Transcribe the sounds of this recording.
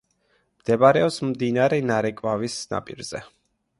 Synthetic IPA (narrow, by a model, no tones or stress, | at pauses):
md̪̥ɛbaɾɛɔpsmd̪inaɾɛnaɾɛkʼvavisna̰pʼḭɾz̥ɛ